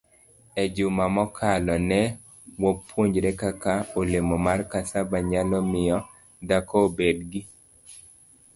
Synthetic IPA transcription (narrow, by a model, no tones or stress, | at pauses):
ɛd͡ʒʊmamɔkʰalɔnɛ | wɔpwoɲd͡ʒɾɛkakaolemɔmarkasabaɲalɔmɪjɔ | dakɔːbedɡi